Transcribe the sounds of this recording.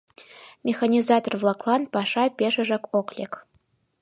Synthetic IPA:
mʲexanʲizɑt̪orvlˠɑklˠɑnpɑʂɑpʲeʃɘ̆ʒə̆koklʲek

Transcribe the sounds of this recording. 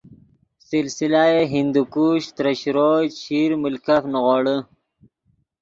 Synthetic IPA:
sɪlsilajeɦind̪ukuːɕt̪ɾɐɕɾoɕiɾmʊlkafnɣoːɽə

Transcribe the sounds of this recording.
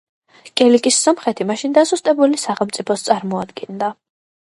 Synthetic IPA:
kʼɛlikʼisːɔmχɛt̪ʰimaʃind̪azust̪ʼɛbulisaχɛlˠmt̪sʼipʰɔst̪sʼaɾmɔad̪ɡɛnd̪a

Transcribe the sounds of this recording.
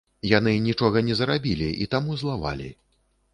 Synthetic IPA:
janɨnʲit͡ʂɔɣɐnʲɛzɾabʲilʲiit̪amuzlˠava̰lʲḭ

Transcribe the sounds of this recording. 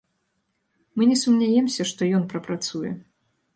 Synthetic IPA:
mɨnʲɛsumnʲajɛmsʲɐʂt̪ɔjɔnpɾɐpɾat̪sujɛ̰

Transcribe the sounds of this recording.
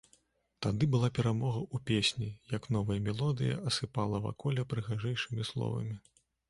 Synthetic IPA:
t̪ad̪ɨbɨlˠapʲɛɾamɔɣɐupʲesʲnʲijɐknɔvɐjɐmʲɛlˠɔd̪ɨjɐ̰ɐsɨpalˠɐva̰kɔlʲɛpɾɨɣaʐɛjʂɨmʲislˠɔ̰vɐ̰mʲi

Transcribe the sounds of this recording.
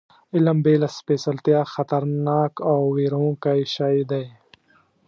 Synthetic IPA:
ɪlɐmbeːlɐspeːsɐlt̪ijaːxɐt̪ɐɾnaːkawwiːɾõːkajʃaːid̪aj

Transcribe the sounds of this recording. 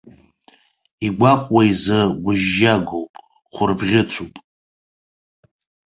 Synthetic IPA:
iɡʷaqʷʼwaizɨɡʷʊʒːaɡowpʼ | χʷʊrbʁʲɪt͡sʷʰupʼ

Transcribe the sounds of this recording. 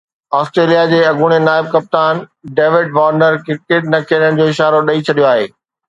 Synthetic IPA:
ɔːsʈɾeːlijad͡ʑeːɐɡʱuːɽ̃enaːɪb̚kɐp̚t̪aːnɖeːʋɪɖ̚ʋaːɾnəɾkɪkeʈ̚nɐkʰiəɾjəɽ̃ɪ̃̆d͡ʑoːɪʃaːɾoɗɐit͡ɕʰɐɗijoaːɦḛː

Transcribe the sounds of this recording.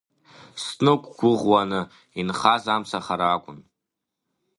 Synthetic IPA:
snɨkʷʼɡʷʊʁwanɨ | inχazamsaχaɾaːkʷʼʊn

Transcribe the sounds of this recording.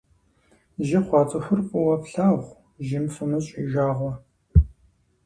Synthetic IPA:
ʒɪχʷɑːt͡sʼɐxʷʊrkʷʼɔwɐpɬaːʁʷ | ʒɪmsʊmɨɕʼḭːʒaːʁʷɔ

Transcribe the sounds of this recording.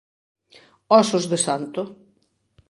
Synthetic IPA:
ɔsʊzðɪsant̪ʊ

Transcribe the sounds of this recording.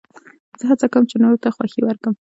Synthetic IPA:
z̥əɦat͡sakawəmt͡ʃenoɾot̪axwaxiwəɾkəm

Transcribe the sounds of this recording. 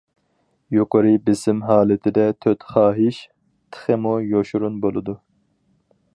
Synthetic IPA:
joqəɾɨbɪsɪmɦɑːlˠɪt̪ʰɪd̪ɛt̪ʰøt̪χɑːɦiʃ | t̪ʰə̥χɨmujoʃuɾunbolˠɨd̪u

